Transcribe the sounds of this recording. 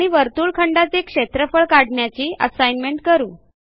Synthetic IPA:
ɽ̃iʋəɾt̪uːɭkʰəɳɖat͡sekʂet̪ɾəfəɭkaɽɳjat͡ɕiːə̰sajnmeɳʈ̚kəɾuː

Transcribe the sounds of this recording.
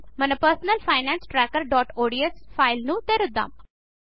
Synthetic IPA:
mənəpəɾsnəlfʰaːɪnɛ̃nsʈɾɛːkəɾɖɔːʈoːɖiesfʰaːɪlnũːt̪eɾʊd̪ːã̰ːm

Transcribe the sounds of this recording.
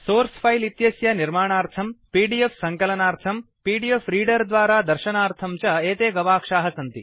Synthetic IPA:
soːɾspʰɐjlit̪jɐsjɐniɾmaːɳaːɾt̪ʰɐmpiːɖijefsɐŋkɐlɐnaːɾt̪ʰɐmpiːɖijefɾiːɖɐɾd̪ʋaːɾaːd̪ɐɾʃɐnaːɾt̪ʰɐmt͡ʃɐeːt̪eːɡɐʋaːkʂaːɦɐsɐnt̪i

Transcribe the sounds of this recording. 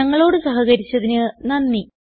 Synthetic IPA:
ɐŋːɐɭo̞ːɽɨsɐɦɐɣɐɾit͡ɕːɐðinɨnɐnːi

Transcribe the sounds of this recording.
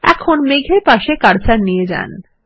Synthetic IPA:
ɛ̰kʰonmeɡʱeɾpaʃekaɾt͡ɕaɾnijed͡ʑa̰n

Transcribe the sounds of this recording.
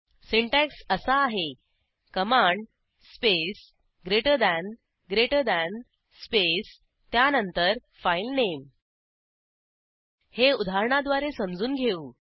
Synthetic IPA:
siɳʈæksəsaːɦe | kəmãɳɖ | spes | ɡɾeʈəd̪æn | ɡɾeʈəd̪æn | spes | t̪janənt̪əɾ | failnem | heud̪ʱaɾɳad̪ʋaɾesəmd͡zuːnɡʱeuː

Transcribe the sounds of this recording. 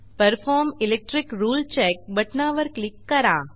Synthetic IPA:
pəɾfʰɔːɾmilek̚ʈɾikɾuːlt͡ʃɛk̚bɐʈnaːʋəɾklɪkːɐɾãː

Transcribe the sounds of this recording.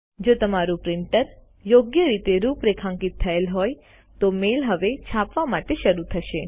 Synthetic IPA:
d͡ʒot̪əmaɾupɾɪɳʈəɾ | joɡjəɾit̪eɾupɾekʰãŋkit̪ʰːəelɦoj | t̪omelɦəʋet͡ʃʰapʋamaʈeʃəɾut̪ʰəʃe

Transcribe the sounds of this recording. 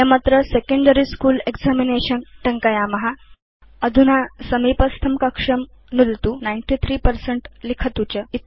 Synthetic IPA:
emat̪ɾəsekẽɳɖəɾiskuːleɡd͡zamineɕənʈəŋkajaməɦa | əd̪ʱunasəmipəst̪ʰəmkəkʂəm | nult̪unajɳʈit̪ʰɾiːpəɾseɳʈlikʰət̪ut͡ɕəit̪

